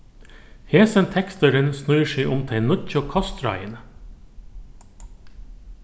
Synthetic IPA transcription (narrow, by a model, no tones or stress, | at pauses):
heːsənt̪ʰɛkst̪əɾənsnʉʏəʃeɪʔʊmt̪ʰɛɪnœçokʰɑst̪ɾɑ̰ɪən